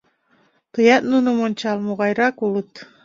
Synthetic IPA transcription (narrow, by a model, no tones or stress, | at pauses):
t̪ɨjɑt̪nunumont͡ʃɑlˠmuʁɑjɾɑkulˠut̪